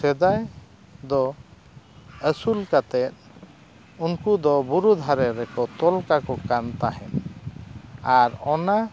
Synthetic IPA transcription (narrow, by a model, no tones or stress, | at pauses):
sɛd̪aj | d̪ɔ | əsulkat̪ɛt̪̚ | unkud̪ɔbuɾud̪ʱaɾɛɾɛkɔt̪ɔlkakɔkant̪aɦɛn | aɾɔna